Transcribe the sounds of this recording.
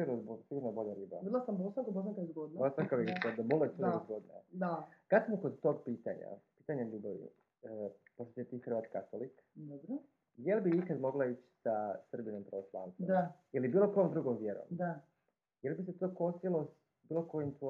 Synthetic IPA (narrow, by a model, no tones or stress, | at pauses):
iuɾnobosiɡuɾnobo̞ʎaɾiːba̰id̪lasambosaŋkabosãkaizɡod̪nbosaŋkaʋiod̪abolesuizɡo̞d̪ina̰d̪akad̪smokod̪t̪o̞ɡpiːt̪a̰ɲa̰piːt̪aɲeʎuːbaʋḭ | poʃt̪oset̪iːxr̩ʋaːt̪kat̪olik | d̪obɾo | jelbiikad̪mo̞ɡlait͡ʃsasr̩binompɾaʋoslˠa̰nt̪od̪ajilibiːlˠo̞kojomd̪ɾuɡomʋjeɾo̰md̪a | jelbiset̪oːko̞st̪ilˠos | biːloko̞jimt̪o